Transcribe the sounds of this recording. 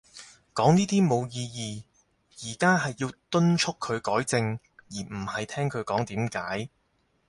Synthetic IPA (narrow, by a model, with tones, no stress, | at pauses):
kɔː˨˥ŋniː˥t̪iː˥mo˨˧wjiː˧jiː˨˧ | jiː˨˩kaː˥ɦɐ˨jːiː˧wt̪ɵ˥nt͡ʃʰʊ˥kʰːɵ˨˧ɥkɔː˨˥jt͡sɪ˧ŋ | jiː˨˩m̩˨˩hɐ˨jt̪ʰɛː˥ŋkʰɵ˨˧ɥkɔː˨˥ŋt̪iː˨˥mkaː˨˥j